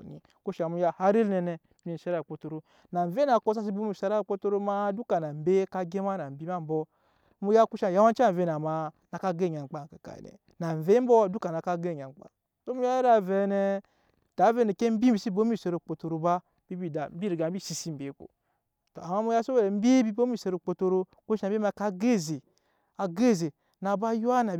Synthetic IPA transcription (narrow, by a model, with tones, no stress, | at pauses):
nḭ˨ | ko˦ʃa˨mu˧ja˧ha˦ɾi˦lnɛ˧nɛ˧˦ni˨a˦ɾa˦˨k͡po˧to˧ɾo˦ | na˨ɱ˨ve˦na˨ko˦s̬a˦s̬i˦bo˦mi˦˨sa˧ɾa˦˨k͡po˦to˧ɾo˦ma˦du˦ka˨na˨m̩˨be˦ka˧ɡe˦ma˦na˨m̩˨bi˦ma˦m˦bɔ˧ | mu˧ja˦ku˦ʃa˨ja˦wa˦n˦t͡ʃa˦˨ve˧˦na˨ma˨ | na˨ka˦ɡe˦˨ɲa˨ŋ͡m̩˨k͡pa˨ka˨ka̰˨nɛ̰˨ | na˨ɱ˨ve˦m̩˦bɔ˦du˦ka˨na˨ka˦ɡe˦˨ɲa˨ŋ͡mk͡pa̰˨ | so˦mu˦ja˦ɾa˨ve˨nɛ˨ | ta˨˦ve˦nɛ˨ke˦m̩˦bi˦m̩˦bi˨˦si˦bo˦m˦i˦˨se˧ɾo˨k͡po˨to˨˧ɾo˨ba˦ | bi˦bi˦˨da˨m˦bi˦ɾi˨ɡa˨m̩˦bi˦˨si˨si˦m̩˦be˨˦ko̰˨ | to˨a˨ma˦mu˦ja˦so˦be˦ɾm̩˦be˦bi˦bo˦mi˦˨se˧ɾo˨k͡po˧to˧ɾo˧ | kʷu˦ʃa˨˦ma˧˦ka˦ɡe˦˨ze˨ | a˨ɡe˦˨ze˨ | na˨ba˦ju˦a˦na˨